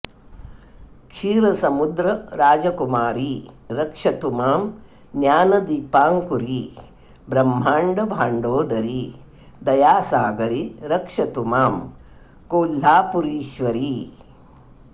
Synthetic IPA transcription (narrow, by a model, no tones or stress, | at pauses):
kʂiːɾɐsɐmud̪ɾɐɾaːd͡ʒɐkumaːɾiɾɐkʂɐt̪umaːm | njaːnɐd̪iːpaːŋkuɾi | bɾɐmːaːɳɖɐbʱaːɳɖoːd̪ɐɾi | d̪ɐjaːsaːɡɐɾiɾɐkʂɐt̪umaːm | koːlaːpuɾiːʃʋɐɾi